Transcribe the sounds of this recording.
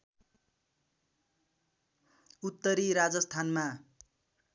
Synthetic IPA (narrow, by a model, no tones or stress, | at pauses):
ut̪ːʌɾiɾad͡zʌst̪ʰanma